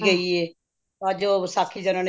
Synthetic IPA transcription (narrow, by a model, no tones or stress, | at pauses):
ɡəiːeː | əd͡ʒoːsaːkʰːiːd͡ʒənãːn